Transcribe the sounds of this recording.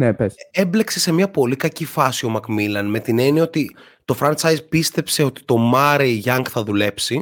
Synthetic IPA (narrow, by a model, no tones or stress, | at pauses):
nepesemble̞kse̞se̞miɐpo̞likɐcifɐsio̞mɐkmilɐnme̞t̪ine̞nio̞t̪i | t̪o̞fɾɐnt͡sɐjzpist̪e̞pse̞o̞t̪i̥t̪o̞mɐɾeiʝɐŋkθɐðule̞psi